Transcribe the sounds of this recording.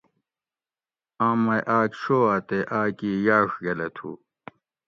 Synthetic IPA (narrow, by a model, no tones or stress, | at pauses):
ãːmɐjʔaːkɕoːaːt̪eʔaːkiːjaːʂɡɐlet̪ʰṵː